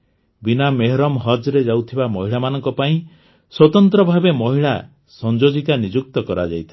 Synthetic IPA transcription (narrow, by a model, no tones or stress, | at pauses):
binameɦɾɔmɦɔd͡ʒɾed͡ʒawt̪ʰibamɔɦiɭamanɔŋkɔpaĩ | swɔt̪ɔnt̪ɾɔbʱabemɔɦiɭa | sɔnd͡ʒod͡ʒik̪anid͡ʒuk̚t̪ɔkɔɾad͡ʒa̰jt̪ʰi